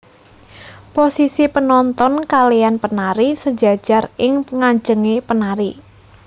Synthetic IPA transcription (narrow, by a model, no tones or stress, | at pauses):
posisipənɔnt̪ɔnkalijanpənaɾisəd̥d͡ʒa̤d̥ʒ̥a̤rɪŋŋaɲd͡ʒəŋepənaɾi